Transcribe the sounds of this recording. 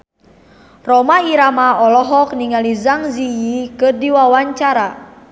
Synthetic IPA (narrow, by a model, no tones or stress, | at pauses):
rɔmaiɾamaɔlɔɦɔkniŋalizaŋzijikɨrdiwawaɲt͡ʃaɾa